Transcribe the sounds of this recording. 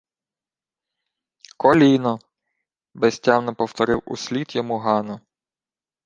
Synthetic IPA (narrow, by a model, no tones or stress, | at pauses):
kɔlʲinɔ | bɛsʲtʲɑmnɔpɔwt̪ɔɾɪwṵsʲlʲit̪jɔmuɦɑnɔ